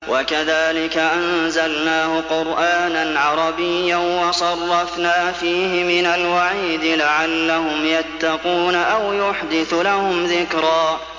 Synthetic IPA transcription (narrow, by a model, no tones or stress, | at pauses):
wʔakaðaːlɪkaʔanzalnaːhʊqʊɾʔaːnanʕɑɾˤɑbɪjːanwɑsˤɑrˤːɑfnaːfiːɦɪmɪnalwaʕiːd̪ɪlaʕalːahʊmjat̪ːɑquːnaʔawjʊħd̪ɪθlahʊmðɪkɾˤɑː